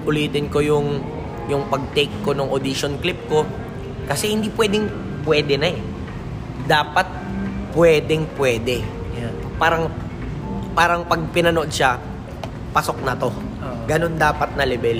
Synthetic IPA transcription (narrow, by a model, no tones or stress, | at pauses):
ʔʊliːt̪ɪnko̞jʊŋ | jʊŋpɐɡ̚t̪ejkːo̞nʊŋʔod̪iʃonklɪp̚ko̞ | kɐsɛhɪnd̪ipwɛːd̪ɪŋ | pwɛːd̪ɛnɐɛ | d̪aːpɐt̪̚ | pwɛːd̪ɛŋpwɛːd̪ɛjan | paːɾɐŋ | paːɾɐŋpɐɡ̚pɪnɐnood̪̚ʃa | pɐso̞k̚nɐt̪o̞ | ɡɐno̞nd̪aːpɐt̪̚nɐlɛbɛl